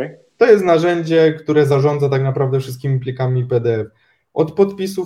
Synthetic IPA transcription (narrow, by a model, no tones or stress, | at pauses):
t̪ɔjɛst̪naʐɛɲd͡ʑɛkt̪uɾɛzaʐɔnd̪zat̪aknapɾavd̪ɛfʂɨst̪kʲimʲipʲlʲikamʲipɛd̪ɛɛf | ʔɔt̪pɔt̪pʲis̬u